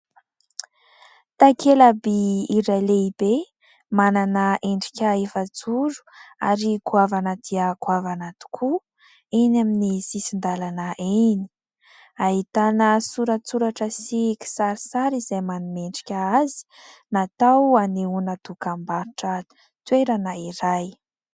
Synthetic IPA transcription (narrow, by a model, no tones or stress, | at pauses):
t̪akʰelabiiɾaleib̥e | mananəʔeɳɖ͡ʐi̥kʲaefət͡suɾu̥a̰ɾikuavanəd̪̥iəkuavanat̪u̥kʰu | enaminisisind̪alanəʔeni̥ | aɦit̪anəsuɾat͡suɾaʈ͡ʂəsiki̥saɾisaɾizajmanumeɳɖ͡ʐi̥kʲaazi̥nat̪awaneunəd̪̥ukambaɾiʈ͡ʂə | t̪weɾanəiɾaj